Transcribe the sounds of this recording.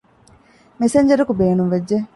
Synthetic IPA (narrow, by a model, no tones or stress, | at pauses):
meseɲd͡ʒɐɾukubeːnumʋed͡ʒːe